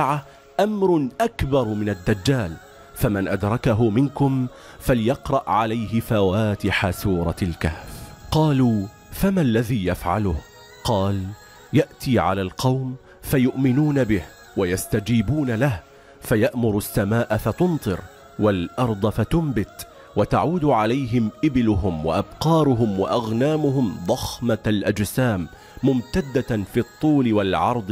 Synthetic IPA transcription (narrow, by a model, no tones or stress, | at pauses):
ʕa | ʔamɾʊʔakbɑɾˤmɪnad̪ːad͡ʒːaːl | famanʔad̪ɾˤɑkaɦʊmɪnkʊm | faljɑqɾˤɑʔʕalajɦɪfawaːt̪ɪħasuːɾˤɑlkahfqɑːluː | famalːaðiːjafʕa̰lʊh | qɑːl | jaʔt̪iːʕa̰laːlqɑwm | fajʊʔmɪnuːnabɪh | wajast̪ad͡ʒiːbuːnalah | fajaʔmʊɾʊsːamaːʔafat̪ʊnt̪ˤɨɾ | walʔɑɾˤd̪ˤɑfat̪ʊmbɪt̪ | wat̪aʕuːd̪ʕalajɦɪmʔɪbɪlʊɦʊmwa̰ʔabqɑːɾˤʊɦʊmwa̰ʔaɣnaːmʊɦʊmd̪ˤɑxmalʔad͡ʒsaːmː | ʊmt̪ad̪ːafiːt̪ˤːuːlɪwalʕɑ̰ɾˤd̪ˤ